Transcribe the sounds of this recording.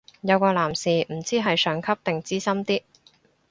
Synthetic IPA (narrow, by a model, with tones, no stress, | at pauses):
jɐ˨˧wkɔː˧laː˨˩msiː˨m̩˨˩t͡siː˥ɦɐ˨jsœː˨˧ŋkʰɐ˥p̚t̪ɪ˨ŋt͡siː˥sɐ˥mt̪iː˥